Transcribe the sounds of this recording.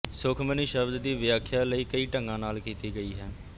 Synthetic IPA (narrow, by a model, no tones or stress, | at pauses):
sʊkʰməniːʃəbd̪d̪iːʋjaːkʰjaːləiːkəiːʈəŋɡãːnaːlkiːt̪iːɡəiːɦɛː